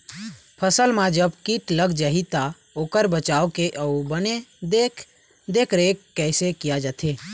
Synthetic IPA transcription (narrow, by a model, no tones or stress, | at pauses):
pʰəsəlmãd͡ʒəbkiʈləɡd͡ʒaɦit̪a | oːkəɾbət͡ʃaokeʔəubəned̪ekʰ | d̪ekʰɾekːɛɪsekijad͡ʒat̪ʰe